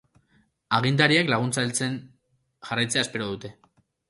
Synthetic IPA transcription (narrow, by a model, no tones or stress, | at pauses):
aɣ̞int̪̬aɾiaklaɣ̞unt͡salt͡se̞n | ʝarajt͡seaespe̞ɾoðut̪e̞